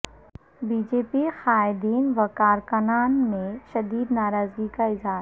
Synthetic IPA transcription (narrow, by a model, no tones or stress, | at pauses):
biːd͡ʒeːpixaːɪd̪iːnʋɐkaːɾkɐnaːnmẽʃɐd̪iːd̪naːɾaːzɡikaɪzɦaːɾ